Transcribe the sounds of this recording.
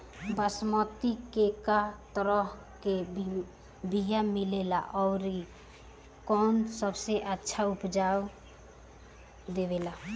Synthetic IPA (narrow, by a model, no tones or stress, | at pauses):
bəsmət̪ikekat̪əɾəɦ | ke | bʱijamilela̰ʔɔʊɾi | kɔnsəbseʔətːʃʰaupd͡ʒa | d̪eβela